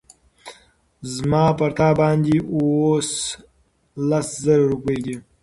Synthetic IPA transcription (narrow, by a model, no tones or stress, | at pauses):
zmɑːpaɾt̪ɑːbɑːnd̪iwos | laszaɾaɾupəjd̪i